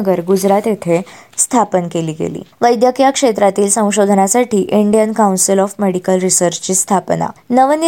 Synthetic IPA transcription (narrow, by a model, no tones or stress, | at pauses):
ɡəɾɡud͡zɾat̪et̪ʰest̪ʰapənkeliːɡḛlḭːʋəjd̪jəkjakʂet̪ɾat̪iːlsə̃w̃ɕod̪ʱnasaʈiːʔiɳɖijənkawnsilɔfmeɽikəlɾisəɾt͡ɕt͡ɕiːst̪ʰapna̰nəʋən